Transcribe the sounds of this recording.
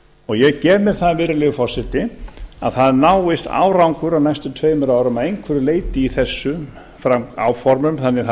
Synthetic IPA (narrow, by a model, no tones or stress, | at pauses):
ɔɣjɛɣcɛːvmɪɾ̥θaðvɪːɾɪlɛɣʏfɔr̥sɪt̪ɪa̰ðθaðnaːwɪst̪a̰ːwɾawŋkʏɾawnajst̪ʏt̪ʰveːjmɪɾaːwɾʏmaðejŋkʰvɛɾʏleːjt̪ɪiθɛsːʏ | fɾaa̰wfɔɾmʏmθanːɪθ